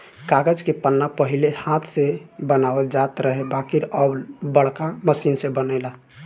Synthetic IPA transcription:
kaɡəd͡ʒkepənːapəɦilehat̪ʰsebənabəd͡ʒat̪ɾəɦebakiɾəbbəɽ̤kaməsinsebənəɪla

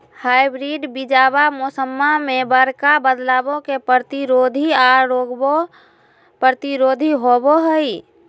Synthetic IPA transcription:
hajbɾiɖbid͡ʒabamosəmːamebəɾkabəd̪laːbõkepəɾt̪iɾod̪ʱiaɾoɡbo | pɾəɾət̪iɾod̪ʱiɦoboɦəi

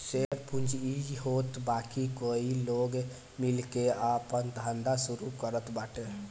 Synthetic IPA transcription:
seɾpund͡ʒid͡ʒɦot̪bakikoiloɡ | milkeapənt̪and̪asuɾukəɾət̪baʈe

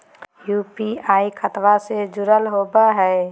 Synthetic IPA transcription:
juːpiaːikʰət̪wased͡ʒʊɾəlɦoːbaɦɛː

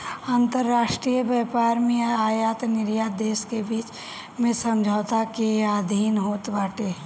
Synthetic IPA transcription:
aːnt̪əɾːaːʃʈɾiːjəbjɛːpaːɾmẽaːjaːt̪nɪɾjaːd̪eːskebiːt͡ʃ | mẽsə̃md͡ʒʱaːʊt̪akeaːd̪ʱiːnɦoːt̪baːʈeː

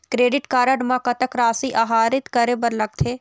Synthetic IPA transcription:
kɾeːɖɪʈkaːɾəɖmãkɐt̪əkɾaːsiʔaːɦaːɾɪt̪kɐɾebɐɾlɐɡ̚t̪ʰeː

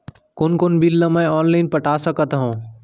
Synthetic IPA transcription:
koːnkoːnbilːəmɛ̃ɔːnlaɪnpəʈaːsəkət̪ɦõː

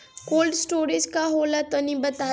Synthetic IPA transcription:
koːlɖsʈoːɾid͡ʒkaɦoːlat̪onibɐt̪aː

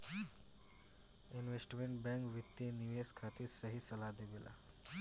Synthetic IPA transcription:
inʋesʈmeɳʈbɛ̃ŋkʋit̪jeniʋeskʰat̪iːɾsəɦiːsəlad̪eʋela̰

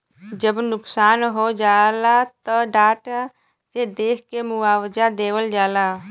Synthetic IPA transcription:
d͡ʒəbnʊksaːnɦod͡ʒalat̪əɖaːʈ | sed̪eːkʰkemuaːwd͡ʒad̪eːwəld͡ʒaːla

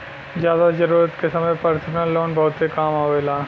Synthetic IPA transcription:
zjaːd̪ad͡ʒɐɾuːɾət̪kesɐməjpɐɾsʰəmnəlːoːnbɐɦʊt̪sekaːmaʋelaː

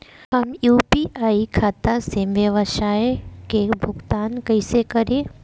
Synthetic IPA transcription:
hɐmjuːpiʔaːikʰaːt̪aseəʋəʃaːjkebʱʊɡt̪aːnkɐɪsekəɾẽ

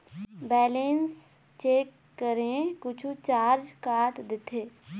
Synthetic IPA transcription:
bɛːlens | t͡ʃeːkːəɾẽkʊt͡ʃʰut͡ʃaːɾd͡ʒkaːɾʈd̪ɪt̪ʰeː

